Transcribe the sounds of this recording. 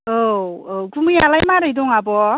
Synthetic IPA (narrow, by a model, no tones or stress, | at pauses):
oɡumɯja̰lajmaɾɯjdɔŋabɔ